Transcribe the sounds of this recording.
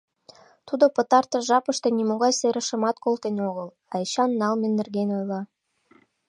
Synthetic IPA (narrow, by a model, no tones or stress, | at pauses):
t̪ud̪opɤ̆t̪ɑrt̪ɤ̆ʒɑpəʃt̪enimoɣɑjseɾə̆ʃə̆mɑt̪kolt̪enoɣəl | ɑet͡ɕɑnːɑlmĕnːɘ̆rɣenojlɑ